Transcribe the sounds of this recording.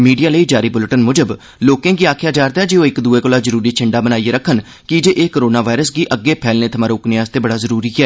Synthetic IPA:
miːɖijaːləiːd͡ʒaːɾiːbʊlʈənmʊd͡ʒəb | loːkẽːɡiːaːkʰjaːd͡ʒaːɾd̪aɦɛːd͡ʒeːoːɪkd̪ueːkoːlaːzəɾuːɾiːt͡ʃʰɪɳɖaːbənaːieɾəkʰːən | kɪd͡ʒeːʔeːkəɾoːnaːʋaːɪɾəsɡiːʔəɡːeːpʰɛːlneːt̪ʰəmaːɾoːknɪjaːzt̪eːbəɽaːzəɾuːɾiːɦɛː

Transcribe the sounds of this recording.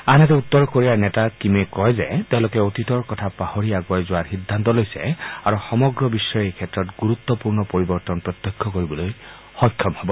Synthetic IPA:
anet̪eut̪ːɔɾɔkoɾianetakimekɔɦed͡ʒet̪elokeot̪it̪ɔɾkɔt̪ʰapahoɾiaɡwajd͡ʒoaɾɦid̪ʱːant̪ɔlojseaɾuxɔmɔɡɾɔbisɔjɔejkʰet̪ɾɔtɡuɾut̪ːɔpuɾnɔpɔɾibɔɾt̪ɔnɔpɾɔt̪jɔkʰːɔkoɾibɔloj | hɔkʰːjɔmhebɔ

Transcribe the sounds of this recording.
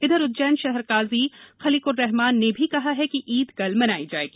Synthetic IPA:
ɪd̪ʱəɾʊt̪̚d͡ʒɛːnʃɛɦɛɾkaːzixɐliːkʊɾːɛɦmaːnːebʱikɐɦaɦɛkiʔiːd̪ɡɐlmɐnaːid͡ʒaːḛːɡiː

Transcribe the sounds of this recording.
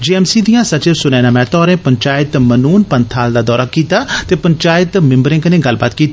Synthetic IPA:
d͡ʒiːɛːmsiːd̪ɪijãːsət͡ʃeɾsʊnɛːnãːmɛ̃ːt̪ɔːɾẽːpəɲt͡ʃaːɪt̪mənuːnpənt̪ʰaːld̪aːd̪ɔːɾaːkiːt̪aːt̪eːpəɲt͡ʃaːɪt̪mɪ̃mbəɾɪ̃ːŋkənẽːɡəlba̰ːt̪kiːt̪

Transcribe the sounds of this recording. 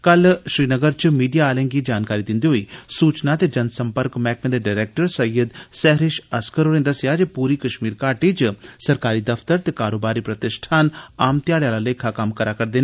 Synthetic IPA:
kəlʃɾiːnəɡəɾt͡ʃmiːɖijaːlẽːŋɡiːd͡ʒaːnkaːɾiːd̪ɪ̃nd̪iːɦoːiːsuːt͡ʃnaːt̪eːd͡ʒənsəmpəɾkmɛːk̚mẽnd̪eɖaːɾɛːk̚ʈəɾsəjːəd̪sɛːɦɾɪʃəskəɾoːɾẽːnd̪əsɪjaːd͡ʒepuːɾiːkəʃmiːɾkaːʈiːt͡ʃsəɾkaːɾiːd̪əfʰt̪əɾt̪eːkaːɾoːbaːɾiːpɾət̪ɪʃʈʰaːnaːmt̪ɪjaːɽejaːlaleːkʰakəmkəɾaːkəɾd̪eːna

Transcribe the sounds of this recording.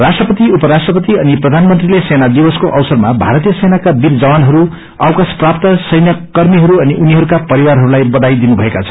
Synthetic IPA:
rasʈrʌpʌt̪iupʌɾasʈrʌpʌt̪iʌniprʌd̪ʱanmʌnt̪rilesenad̪ibʌskoʔʌwsʌrmabʱaɾʌt̪ijʌsenakabird͡zʌwanɦʌɾu | ʌwkasprap̚t̪ʌsʌjnjʌkʌrmiɦʌɾuʌniʔuniɦʌɾukapʌɾiwaɾɦʌɾulajbʌd̪ajd̪inubʱʌekat͡sʰʌ̥n

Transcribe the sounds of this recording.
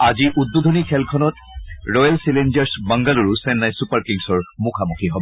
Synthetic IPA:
aziʔud̚bod̪ʱonikʰɛlkʰɔnɔt | ɹɔjalsilend͡ʒaɹsbaŋɡaluɹusɛnːajsupaɹkiŋsɔɹmukʰamuxʰiɦɔbɔ

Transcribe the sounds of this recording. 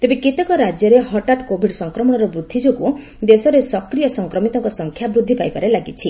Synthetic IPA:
t̪ebekit̪ɔkɔɾad͡ʒjɔɾeɦɔʈat̪ɔ̥kobʱiɖsɔŋkɾɔmɔɽ̃ɔɾɔbɾud̪ʱːid͡ʒoku | d̪esɔɾesɔkɾijɔsɔŋkɾɔmit̪ɔŋkɔsɔŋkʰjabɾud̪ʱːipajpaɾelaɡit͡ʃʰi

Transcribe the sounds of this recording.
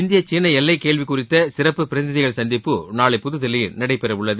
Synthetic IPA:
ɪnd̪ɪjɐt͡ʃːiːnːɐɛlːɐɪkeːɭʋikʊrɪt̪ːɐsɪɾɐpːɯpɪɾɐðɪðɪɣɐɭsɐnd̪ɪpːɯnaːɭɐɪpʊðɯðɐlɐjɪnnɐɽɐɪpːɛɾɐʋʊɭːɐð

